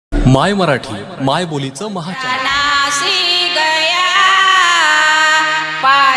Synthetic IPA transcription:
majməɾaʈʰiː | majbolit͡səməɦat͡ɕalasiɡəja | pa

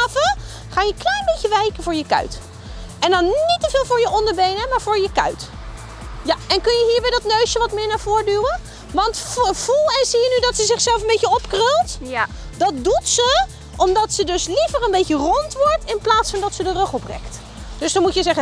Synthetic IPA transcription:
və | χaːnjəklɛjnbejəʋɛjkənvʊːɹjəkœ̰ɥt | ʔɛndɑnnitəvɪːlˠvʊːɹjəɔndəɹbejnəmaːɹvʊːɹjəkœ̰ɥt | jaɛnkɵnjəɦiːɹbɛjdɑtnøɥʃjəʋɑtmɪːɹnaːv̥ʊːɹdyːwən | ʋɑntvulˠɛnzijənydɑtsəzɪχsɛlˠfənbejcəɔpkrølˠt | dɑt̚dutsə | ʔɔmdɑtsədɵslivərənbejcərɔntʋɔɹtɪnplaːtsfɑndɑtsədərɵχɔprɛ̰kt | d̥ɵsdɑnmutjəzɛχə

